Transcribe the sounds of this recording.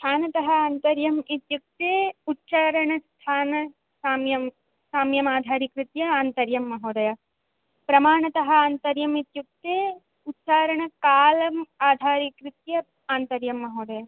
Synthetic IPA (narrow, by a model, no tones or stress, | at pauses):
st̪ʰaːnɐt̪ɐɦɐaːnt̪ɐɾjɐmit̪juk̚t̪eːutːʃaːɾɐɳɐst̪ʰaːnɐ | saːmjɐm | saːmjɐmaːd̪ʱaːɾikɾɪt̪jɐaːnt̪ɐɾjɐmːɐɦoːd̪ɐjɐ | pɾɐmaːɳɐt̪ɐɦɐ̆aːnt̪ɐɾjɐmit̪juk̚t̪eː | utːt͡ʃaːɾɐɳɐkaːlɐmaːd̪ʱaːɾikɾɪt̪jɐ | aːnt̪ɐɾjɐmːɐɦoːd̪ɐja